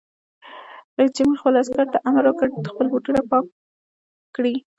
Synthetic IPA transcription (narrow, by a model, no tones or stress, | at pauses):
lət͡ʃemuxpəlaskaɾt̪aʔamaɾwəkəɾd̪əxpəlbuʈuɾapɑ | kɽi